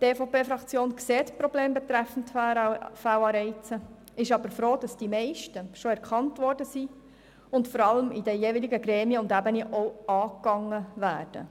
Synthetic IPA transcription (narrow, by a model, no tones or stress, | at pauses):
teːfopeːfɾɑkt͡sjoːnkseːtpɾɔbleːmbɛt̪ɾæfn̩tfæwɑːɾɛɪt͡sə | ɪʃɑbəɾfɾoːd̥ɑsd̥imɛɪʃtəʃoɛɾkχɑntʋɔrdəsi | ʊntfɔɾɑləmidəjeːviliɡəɡɾeːmiəʊndæbəniʔowɑːkːɑŋːəʋæːɾd̥ə̰